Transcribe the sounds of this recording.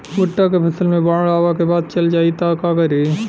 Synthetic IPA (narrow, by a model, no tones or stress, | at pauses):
ʊʈːakepʰɐsəlmẽbaːɽaːʋakebaːd̪̚t͡ʃɐld͡ʒaːit̪akaɡəɾe